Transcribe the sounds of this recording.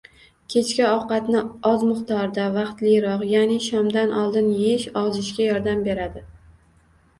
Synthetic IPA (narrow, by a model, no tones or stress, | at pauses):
kʲʰe̞t͡ʃkʲaɒqɑt̪nɪɒzmʊχt̪ʰɒɾd̪avaqt̪lɪjɾɒqjanɪʃɒmd̪anʔɒlˠd̪ɪnjeʃɒwzɪʃkʲajɒɾd̪ambe̞ɾad̪ɪ